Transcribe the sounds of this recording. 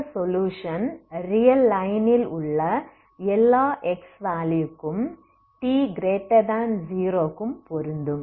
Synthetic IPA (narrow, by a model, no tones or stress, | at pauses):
sɔljuːʂɐnrijɐlːɐjnɪlʊɭːɐ | ɛlːaːʔɛksʋaːlijukːɯm | ʈiːɡɾeːʈːɐd̪aːnziːɾoːkːɯmpɔɾɯnd̪ɯm